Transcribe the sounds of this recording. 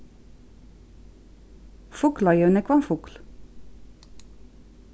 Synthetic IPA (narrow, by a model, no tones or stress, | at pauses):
fʊklɑjœnəkʰʋɑnfʊkl